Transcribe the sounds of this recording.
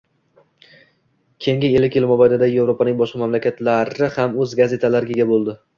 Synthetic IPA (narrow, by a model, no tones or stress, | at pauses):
kʲʰe̞jŋɡʲɪelːɪkʲjɪlmobajd̪ad̪aje̞vɾopanɪŋbɒʃqʰɑmamlakʲat̪laɾɪhamɵzɡaze̞t̪ʰalaɾɪɡʲɪɡʲabolˠd̪ɪ